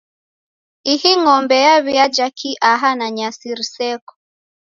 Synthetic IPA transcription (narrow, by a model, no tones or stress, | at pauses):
ihiŋɔmbɛjaβiad͡ʒakʰiʔaɦanaɲasiɾisɛkɔ̥